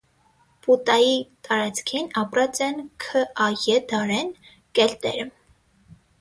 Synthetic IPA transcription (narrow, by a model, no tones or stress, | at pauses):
put̪ɑjit̪ɑɾɑt͡sʰkʰinɑpɾɑt͡sɛnkʰəʔɑjɛd̪ɑɾɛn | kɛlt̪ɛ̰ɾə